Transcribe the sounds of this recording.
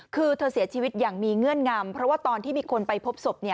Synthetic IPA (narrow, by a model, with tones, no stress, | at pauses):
kʰɯː˧t̪ʰɤː˧si˩˦ɐt͡ɕʰiː˧wi˦˥t̪̚jaː˨˩ŋmiː˧ŋɯ˥˩ənŋaː˧mpʰɾɔ˦˥waː˥˩t̪ɔː˧nt̪ʰiː˥˩miː˧kʰo˧npa˧jpʰo˦˥p̚so˨˩p̚ni˥˩ə